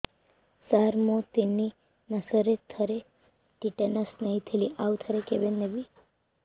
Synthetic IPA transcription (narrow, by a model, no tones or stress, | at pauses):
saɾmot̪ini | nəsəɾet̪ʰəɾe | ɖiʈenəsnəɦĩt̪ʰəliʔaʋt̪ʰəɾekeʋenːeʋi